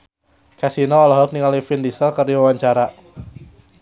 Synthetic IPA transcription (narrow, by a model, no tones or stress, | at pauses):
kasinɔːlɔɦɔk̚niŋalifindisəlkərdiwawaɲt͡ʃaɾa